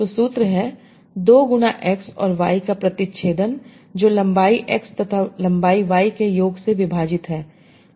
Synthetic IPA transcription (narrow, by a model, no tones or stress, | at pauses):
t̪oːsuːt̪ɾəɦɛ | d̪oːɡʊnaʔɛːksɔ̰ːɾʋa̰ːikapɾɐt̪ɪtʃʰeːd̪ən | d͡ʒoːlɐ̃mbaːiʔɛkst̪ɐt̪ʰalɐ̃mbaːiʋaːikejoːɡseʋɪbʱaːd͡ʒɪt̪ɦɛː